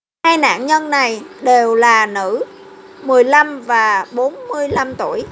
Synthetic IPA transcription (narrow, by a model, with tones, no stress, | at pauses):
haː˧jna̰ː˧˨nɲə˧nːa˨˩jɗe˨˩wlaː˨˩nɨ̰˧˥ | mɨ˨˩əjla˧mvaː˨˩ɓo˨˦nmɨ˧əjla˧mt̪u˧˩əj